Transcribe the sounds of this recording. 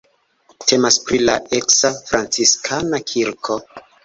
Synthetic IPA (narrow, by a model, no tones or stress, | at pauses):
tʰe̞maspɾilaeksafɾant͡siskʰanakʰiɾkʰo̞